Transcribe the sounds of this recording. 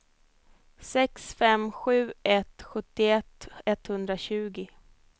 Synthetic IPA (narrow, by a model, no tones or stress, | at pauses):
sɛksfɛmɧʉ̟ːɛt̪ɧɵt̪ːɪɛt̪ːɛt̪hɵnd̪ɾaɕʉ̟ːɡɪ